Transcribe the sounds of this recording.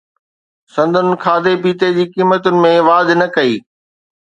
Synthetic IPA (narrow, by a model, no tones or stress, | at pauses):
sɐ̃nd̪ʱʊnɪ̆kʰaːd̪epiːt̪ed͡ʑiːkiːmət̪ʊnɪ̆mẽʋaːd̪ʱnɐkɐiː